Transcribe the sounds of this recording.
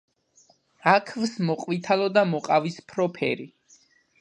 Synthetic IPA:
akʰvsmɔqʼwit̪ʰalˠɔd̪amɔqʼavispʰɾɔpʰɛ̰ɾi

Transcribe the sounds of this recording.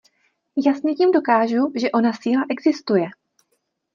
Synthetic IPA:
jasɲɛciːmdo̞kaːʒuʒɛʔo̞nasiːlaʔɛɡzɪst̪ujɛ

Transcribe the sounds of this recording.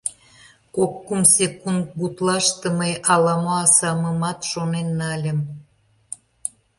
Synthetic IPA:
kokːumsekund̪̚but̪lɑʃt̪əməjʔɑlɑmoɑsɑməmɑt̪ʃonenːɑlʲəm

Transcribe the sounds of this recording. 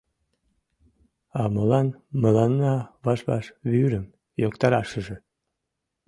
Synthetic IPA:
ɑməlɑnməlɑnːɑβɑʃβɑ̰ʃβyɾəm | jokt̪ɑɾɑʃəʒĕ

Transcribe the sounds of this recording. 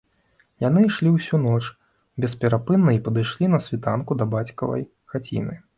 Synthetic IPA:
janɨʂlʲiwsʲunɔt͡ʂ | bʲɛspʲɛɾapɨnːɐipɐd̪ɨjʂlʲinɐsʲvʲit̪a̰nkud̪ɐbat͡sʲkɐ̰vɐ̰j | xat͡sʲḭnɨ̰

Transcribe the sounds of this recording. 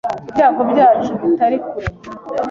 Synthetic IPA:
ibjaːɡobɟaːt͡ʃuβitaɾikuɾ

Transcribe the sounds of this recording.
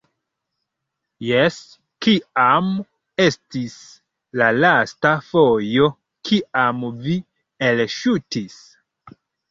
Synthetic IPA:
jes | kiam | e̞stis | lalastafojo̞ | kʰiamvi | elʃutis

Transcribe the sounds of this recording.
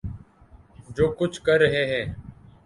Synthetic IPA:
d͡ʒoːkʊt͡ʃʰkəɾəɦeːɦɛː

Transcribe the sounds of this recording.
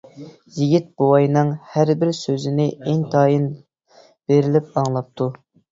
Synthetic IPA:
jiɡʲit̪̚bowɑjnɨŋhæɾbɪɾsøzɪnɪʔeŋt̪ʰɑjin | b̥eɾɪlɪpɑŋlˠɑp̚t̪ʰu

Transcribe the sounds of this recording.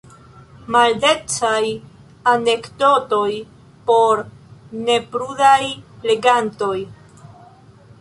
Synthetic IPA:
malde̞t͡saj | ane̞kdo̞to̞j | po̞ɾne̞pɾudajle̞ɡanto̞j

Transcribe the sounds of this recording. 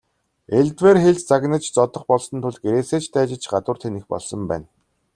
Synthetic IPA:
eɮt̪werxeɮt͡ɕt͡saɣnə̆t͡ɕt͡sɔt̪ɞ̆χpɔɮsɞ̆nt̪ʰʊɮt̪̚ɡeɾeːseːt͡ɕt̪ʰæːt͡ɕɪ̆t͡ɕɢat̪ʊːr̥t̪ʰenexpɔ̰ɮsɞ̆mpæ̰ːn

